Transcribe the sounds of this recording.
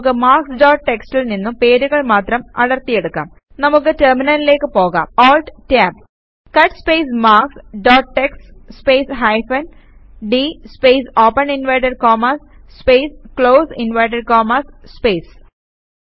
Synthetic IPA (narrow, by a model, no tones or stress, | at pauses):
kːɨmaːrksɖoːʈ̚ʈekstilninːumpe̞ːɾuɣɐɭmaːt̪rɐmɐ̰ɽɐrt̪ːijeɽukːa̰ːm | nɐmukːɨterminɐlile̞ːkːɨpo̞ːɣa̰ːmoːlʈtaːb̚ | kɐʈspejsmaːksɖoːʈʈːeksspeːsɦɐjfɐn | ɖispejsoːpːɐninʋɐjʈ̬ɐɖkoːmas | spejskɭoːsinʋɐjʈ̬ɐɖ̚koːmasspeːs